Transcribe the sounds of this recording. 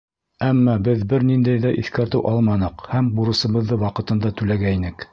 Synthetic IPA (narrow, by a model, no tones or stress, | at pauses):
æmːɑbɘðbɘɾnind̪æjðæʔiθkæɾt̪ɘwʔɑlˠmɑnɤqhæmbuɾɤ̆sɤ̆βɤ̆ðːɤwɑqɤ̆t̪ɤ̆nd̪ɑt̪ʉlæɡæinɘk